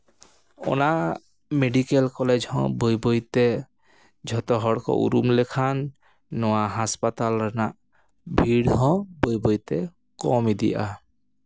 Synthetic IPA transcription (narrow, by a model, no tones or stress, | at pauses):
ɔ̰na | meɖikelkɔled͡ʒɦɔ̰̃bojbɔjt̪ɛ | d͡ʒʱɔt̪ɔɦɔɽkɔ̰ʔṵɾumlekʰanː | ɔaɦaspat̪alɾɔnaʔ | bʱiɽɦɔ̃bojbɔjt̪ɛ | kɔmid̪ḭʔa̰